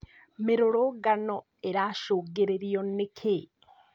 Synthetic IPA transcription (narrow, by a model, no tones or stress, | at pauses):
meɾoɾoɡanɔ | eɾaːʃoːɡeɾeɾiɔnekʰe